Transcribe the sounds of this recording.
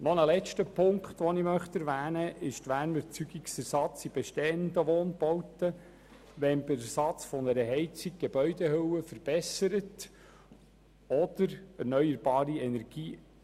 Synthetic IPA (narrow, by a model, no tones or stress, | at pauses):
nɔnəlɛt͡ʃtəpʰʊŋkχt̪ʋɔnimœχt̪æɾʋæːnəʔɪʃtʋæːnəɾt͡syɡiksæɾsɑt͡sib̥ɛʃtɛːənd̪əʋɔːnb̥ɔwtə | ʋɛnbəɾsɑt͡sfɔnəɾəɦɛɪt͡siɡ̚ɡ̥eb̥œʏdehøwəfəɾb̥ɛsəɾət | ɔd̪̥əɾæɾnœjəɾb̥ɑːɾiɛnɛɾɡ̥iː